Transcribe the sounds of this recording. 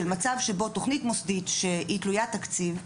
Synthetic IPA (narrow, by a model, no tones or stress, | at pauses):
elmat͡savʃebo̞to̞χnitmo̞sditʃeitlujatakt͡siv